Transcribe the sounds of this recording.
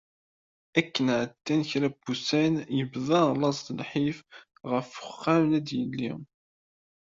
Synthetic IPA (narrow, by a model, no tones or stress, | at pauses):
ækːənʕət̪ːænçɾæb̥usænjəbðˤɑlˤɑsˤd̪əlħif | ʁəfə̥χːæmnæd̪jəlːḭ